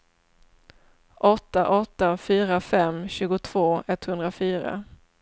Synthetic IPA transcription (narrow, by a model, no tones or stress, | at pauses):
ʔɔt̪ːaʔɔt̪ːafyːɾafɛmːɕʉ̟ːɡʊt̪ʰv̥oːɛt̪ːhɵnd̪ɾafyːɾa̰